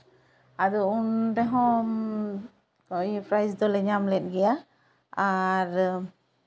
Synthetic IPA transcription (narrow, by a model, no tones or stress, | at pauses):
ad̪ɔunt̪ɛɦɔ̃ | kɔpʰɾajsd̪ɔlɛɲamlɛt̚ɡɛja | aɾ